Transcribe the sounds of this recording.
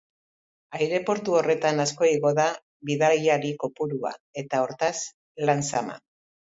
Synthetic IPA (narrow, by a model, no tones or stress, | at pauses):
ajɾe̞po̞ɾt̪uo̞re̞t̪anasko̞iɣo̞ða | βiðajiaɾiko̞puɾua̰e̞t̪ao̞ɾt̪as | lansama̰